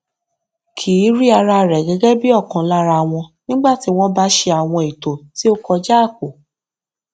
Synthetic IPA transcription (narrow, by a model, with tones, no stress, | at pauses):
kʰiː˨˦ɾi˦a˧ɾa˧ɾɛ˨ɡɛ˨˧˦ɡɛ˦bi˦ɔ˦˨kã˨la˦ɾa˧w̃ɔ̃˧nĩ˦ɡ͡ba˦˨ti˨˦w̃ɔ̃˦ba˦ʃe˧a˨w̃ɔ̃˧i˨to˨ti˦o˦kɔ˧d͡ʒaː˦˨ko˨